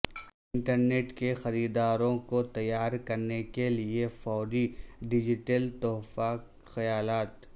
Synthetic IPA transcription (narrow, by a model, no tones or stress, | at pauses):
ɪ̃ɳʈəɾneːʈkexɐɾiːd̪aːɾõkot̪ɐjːaːɾkɐɾnekeliefɔːɾiɖɪd͡ʒɪʈəlt̪ɔːfaːk | xɐjaːlaːt̪